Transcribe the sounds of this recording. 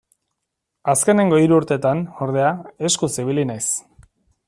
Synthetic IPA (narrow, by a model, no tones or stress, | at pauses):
aske̞ne̞ŋɡo̞iɾuːɾt̪e̞t̪ano̞ɾð̞e̞ae̞skusiβ̞ilinajs